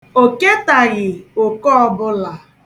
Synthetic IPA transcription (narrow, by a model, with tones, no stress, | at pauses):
o˨ke˦ta˨ɣɪ˨o˨kɔ˦ɔ˦bʊ˦la˨